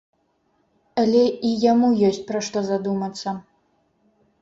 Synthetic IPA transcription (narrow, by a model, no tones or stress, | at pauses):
ɐlʲɛijamujɔsʲt͡sʲpɾaʂt̪ɔzad̪umɐt̪sːɐ